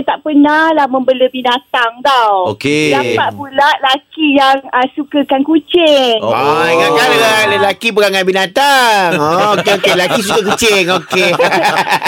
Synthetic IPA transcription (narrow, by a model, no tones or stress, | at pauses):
t̪aʔpənahlahmə̃mbələbinat̪aŋd̪awo̰kedapaʔbulaʔlakijaŋəsukəkankut͡ʃɪŋaɡakaləlləlakip̬əɾaŋanbinat̪aŋɔokeokelakis̬ukəkut͡ʃɪŋoke